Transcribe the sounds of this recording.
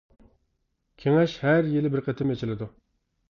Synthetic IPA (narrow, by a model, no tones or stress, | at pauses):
kʲʰeŋɛʃhæɾjilɪbɪɾqʰət̪ʰɪmet͡ʃʰilɪd̪u